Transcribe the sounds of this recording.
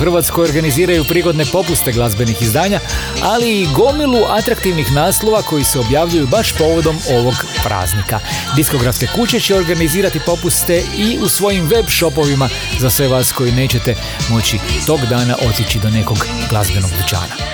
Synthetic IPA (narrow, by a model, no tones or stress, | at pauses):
xrʋaːt̪skojoɾɡaniziːɾajupɾiːɡo̞d̪ne̞po̞pust̪e̞ɡlˠazbe̞nixizd̪aːɲa | aliːɡo̞miluʔat̪ɾakt̪iʋnixnaːslˠo̞ʋako̞jiseo̞bjaːʋʎujubaʃpo̞ːʋo̞d̪o̞mo̞ʋo̞ɡpɾʔa̰ːznika | d̪isko̞ɡɾafske̞kut͡ɕe̞t͡ɕeo̞ɾɡaniziːɾat̪ipo̞pust̪e̞iusʋo̞jimʋe̞bʃo̞po̞ʋima | zasʋe̞ʋaːsko̞jine̞ːt͡ɕe̞t̪e̞ | mo̞t͡ɕit̪o̞ːɡd̪aːna̰ʔo̞t̪jit͡ɕid̪o̞ne̞ko̞ɡ | ɡlˠa̰zbe̞no̞ɡb̪ut͡ʃa̰ːna̰